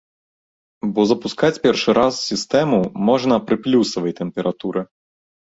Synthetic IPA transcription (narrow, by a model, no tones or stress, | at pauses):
bɔzɐpuskat͡sʲpʲɛrʂɨɾʔassʲist̪ɛmumɔʐnɐpɾɨplʲusɐvɐjt̪ɛmpʲɛɾʔat̪uɾɨ